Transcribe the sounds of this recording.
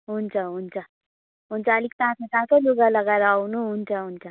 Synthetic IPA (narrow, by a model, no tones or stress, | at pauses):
ɦunt͡sʰʌɦunt͡sʰʌ | ɦunt͡sʰʌːlik̚t̪ãsatãt͡saluɡalʌɡaeɾʌːwnuɦunt͡sʰʌɦunt͡sʰʌ